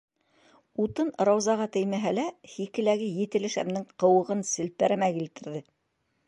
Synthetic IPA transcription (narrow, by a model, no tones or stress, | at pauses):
ut̪ɤnɾɑwzɑʁɑt̪ɘ̆jmæɦælæhikɘ̆læɡɘjɘ̆t̪ɘ̆lɘʃæ̰mnɘɴqɤ̆wɤ̆ʁɤnsɘ̆lpæɾæmækilt̪ɘ̆ɾðɘ